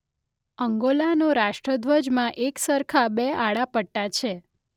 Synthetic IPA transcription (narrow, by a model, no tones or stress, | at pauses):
əŋɡolanoɾaʃʈɾəd̪ʋəd͡ʒmãʔeksəɾkʰabeaɽapəʈːat͡ʃʰe